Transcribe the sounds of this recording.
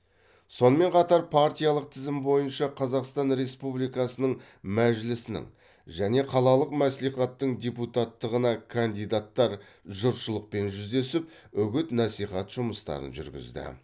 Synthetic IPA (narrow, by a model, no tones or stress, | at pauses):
so̞nəme̞ɴqʰɑt̪ɑɾpʰaɾt̪ʲijɑlˠəq̚t̪ʰɪzɪmbo̞jənʃɑqʰɑzɑqst̪ɑnɾe̞spublijkɑsənəɴ | mæʒlɪsɪnɪ̰ŋ | ʒæne̞qʰɑlˠɑlˠəqmæsliχɑt̪ːəɴd̪ʲeput̪ɑt̪ːəʁənɑkʰand̪ijd̪at̪ːɑɾ | ʒʊɾʃəlˠəq̚pe̞nʒʏzd̪e̞sɪp̚ | ʏɡʲɪt̪nɑsiχɑt̪ʒ̥ʊməst̪ɑ̰ɾə̰nʒʏ̰ɾɡʲɪ̰zd̪ɪ̰